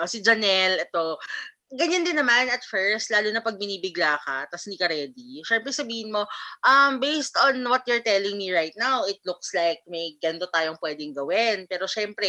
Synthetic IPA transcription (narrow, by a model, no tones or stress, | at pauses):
ʔosɪd͡ʒɐnɛlʔɛt̪o̞ | ɡɐɲːand̪ɪnːɐmanɐt̪fɛɹst̪laːlunɐpɐɡ̚mɪniːbɪɡlakɐt̪ɐsnɪkɐɾɛd̪iʃɛmpɾɛsɐbiːhɪnmo̞ʔɐmbejst̪ɔnwɐt̪̚jɛɹt̪ɛlɪŋmiɹajt̪̚nawɪt̪̚lʊkslajk̚mɐjɡɐnd̪ot̪aːjoŋpwɛːd̪ɪŋɡɐwɪnpɛːɾo̞ʃɛmpɾɛ